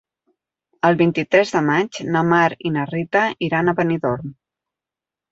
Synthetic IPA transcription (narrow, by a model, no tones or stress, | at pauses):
əlˠβint̪it̪ɾɛzðəmad͡ʒnəmaɾinərit̪əʔiɾanəβəniðoɾm